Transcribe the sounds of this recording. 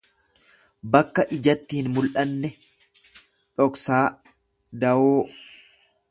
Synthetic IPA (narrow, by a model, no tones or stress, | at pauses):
bɐkːɐʔɪd͡ʒɐt̪ːiːɪnmʊlʔɐnːɛ | ᶑɔksaː | d̪ɐʔoː